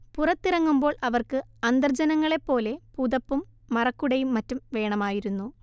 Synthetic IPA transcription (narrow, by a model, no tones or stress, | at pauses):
purɐt̪ːirɐŋːumbo̞ːɭʔɐʋɐrkɨɐnd̪ɐrd͡ʑɐnɐŋːɐɭe̞pːo̞ːle̞pud̪ɐpːumːɐrɐkːuɽɐjumːɐtːumʋe̞ːɳɐmaːjiɾunːu